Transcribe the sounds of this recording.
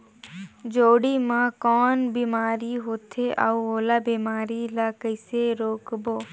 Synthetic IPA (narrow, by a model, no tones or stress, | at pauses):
d͡ʒoːɽiːmãːkɔːnbiːmaːɾiɦoːt̪ʰeːʔa̰uoːlaːbiːmaːɾilaːkəɪseɾoːkboː